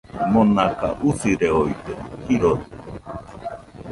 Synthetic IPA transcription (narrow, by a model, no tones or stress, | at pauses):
monaka̰ʔusiɾeoit̪ehiɾot̪